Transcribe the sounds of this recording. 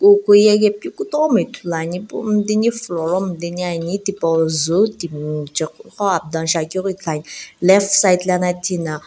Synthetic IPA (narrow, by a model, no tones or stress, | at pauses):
kokojɛɡepikutɔɔmetʰulaɲipum̩deɲiflɔɾɔm̩deɲiaɲitipɔzotimt͡ʃikkɔab̚dãnʃakoɾitanlɛfsajtlanatʰina